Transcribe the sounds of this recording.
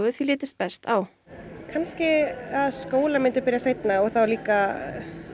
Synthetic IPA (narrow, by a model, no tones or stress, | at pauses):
ɣʏθilɪːt̪ɪst̪̚pɛst̪aw | kʰanscɪaðskoːwlamɪnt̪ʏɾpɪːɾjasejt̪naɔɣθawliːka